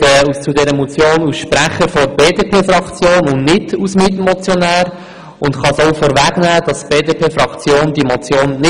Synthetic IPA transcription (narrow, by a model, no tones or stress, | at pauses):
ɛut͡sudɛɾəmɔt͡sjoːnusʃpɾæχəfɔɾbeːdeːpʰeːfɾɑkt͡sjoːnʊnnɪdusmitmɔt͡sjɔnæːɾ | ʊntχɑsoʊfɔːɾvæɡ̥næːd̥ɑsb̥eːdeːpʰeːfɾɑkt͡sjoːndimɔt͡sjoːnːɪ